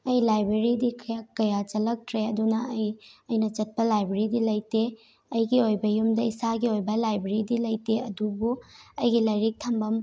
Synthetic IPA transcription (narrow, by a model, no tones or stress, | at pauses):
ɐjlajbɾeɾidikʰɐjakːɐjat͡ʃɐlɐk̚tʰɾeɐdunɐːjɐjnɐt͡ʃɐt̚pɐlajbeɾidilɐjte | ɐjɡiojbɐjumdɐisaɡiojbɐlajbeɾidilɐjteɐdubuɐjɡilɐjɾik̚tʰɐmbɐm